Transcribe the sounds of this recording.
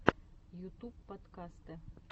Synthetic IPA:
jut̪upːɐt̪kast̪ɨ

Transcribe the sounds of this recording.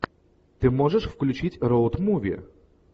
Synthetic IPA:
t̪ɨmɔʐəʂfklʲʉt͡ɕitʲɾowt̪muvʲḭ

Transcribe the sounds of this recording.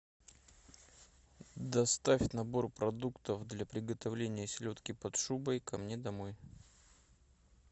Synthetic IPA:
d̪ɐst̪afʲnɐbo̞rpɾɐd̪ukt̪əfd̪lʲapɾʲɪɡət̪ɐvlʲenʲɪjəsʲɪlʲo̞t̪kʲɪpɐt̪ʂubəjkɐmnʲe̞d̪ɐmoj

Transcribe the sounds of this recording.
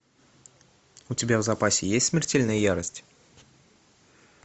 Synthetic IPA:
ut̪ʲibʲezapasʲɪjesʲt̪ʲsʲmʲɪɾtʲelʲnɘjɑɾəsʲtʲ

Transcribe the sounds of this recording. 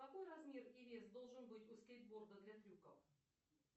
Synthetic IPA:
t̪ɐko̞jrɐzmʲe̞rɪvʲesd̪o̞lˠʐɨnbɨtʲʊskʲejt̪̚ʲbo̞rd̪əd̪lʲat̪ɾʲukə̰f

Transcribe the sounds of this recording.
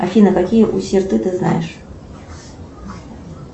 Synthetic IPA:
a̰fʲinɨkakʲijəʔusʲirt̪ɨt̪ɨzna̰jɪʂ

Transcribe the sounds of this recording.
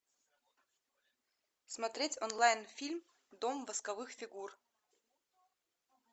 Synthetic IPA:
smat̪ɾʲetʲonlˠɑjnfʲilʲm | d̪omvaskavɨxfʲiɡur

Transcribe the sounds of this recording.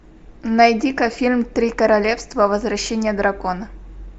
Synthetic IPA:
nɐjdʲikəfʲilʲmt̪ɾʲikəɾɐlʲefst̪vəvəzvɾɐɕːenʲɪjəd̪ɾɐkonə

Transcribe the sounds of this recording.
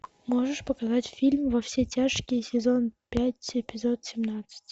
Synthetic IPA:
moʐəʂpəkɐzatʲfʲilʲmvɐfsʲetʲaʂkʲɪjsʲɪzo̞npʲætʲɪpʲɪzot̪sʲɪmnat̪sɨ̥tʲ

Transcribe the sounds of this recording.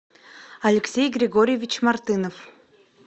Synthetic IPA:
ɐlʲɪksʲejɡɾʲɪɡoɾʲɪjevʲit͡ɕmart̪ɨnof

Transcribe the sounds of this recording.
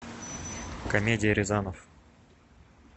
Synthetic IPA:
kɐmʲedʲɪjəɾʲɪzanəf

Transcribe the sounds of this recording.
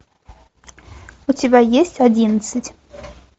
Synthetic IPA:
ʊtʲɪbʲajesʲtʲadʲinət̪sɨtʲ

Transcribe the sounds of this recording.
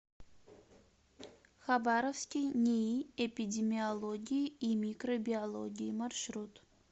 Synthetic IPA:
χabaɾofskʲijnʲeiepʲidʲemʲiolˠoɡʲijimʲikrobʲiolˠoɡʲijmarʃɾut̪

